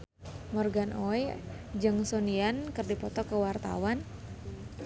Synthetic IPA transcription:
mɔrɡanʔɔj | d͡ʒɨŋsoniankɨrdipɔt̪ɔkəwart̪a̰wan

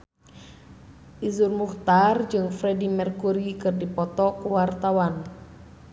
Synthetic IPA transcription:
ʔizurmuht̪ard͡ʒɨŋfɾɛdimɛrkuɾikɨrdipɔt̪ɔkuwart̪awan

